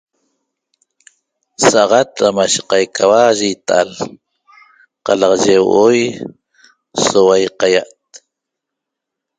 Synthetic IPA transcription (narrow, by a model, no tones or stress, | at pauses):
saʔʁat̪ɾamaʃe̥qajkʰawaʒit̪aʔa̰l | qɑlɑqʒewʔoj | sowajqajaʔt̪̚